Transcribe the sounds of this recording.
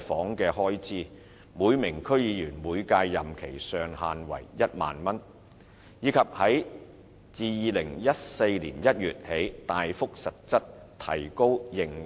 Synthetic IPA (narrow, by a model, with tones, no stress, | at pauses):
fɔː˨˥ŋkɛː˧ɦɔː˥jt͡siː˥ | muː˨˧jmɪ˨˩ŋkʰɵ˥ɥjiː˨˧jyː˨˩nmuː˨˧jkaː˧jːɐ˨mkʰe˨˩jsœː˨˧ŋha̰ː˨nwɐ̰˨˩jjɐ˥t̚ma̰ː˨nmɐ˥n | jiː˨˧kʰɐ˨p̚hɐ˨˥j | t͡siː˨jiː˨˧lɪ˨˩ŋjɐ˥t̚se˧jliː˨˩njɐ˥t̚jyː˨t̚he˨˥jt̪aː˨jfʊ˥k̚sɐ˨t̚t͡sɐ˥t̚ | t̪ʰɐ̰˨˩jko˥wjɪ˨˩ŋ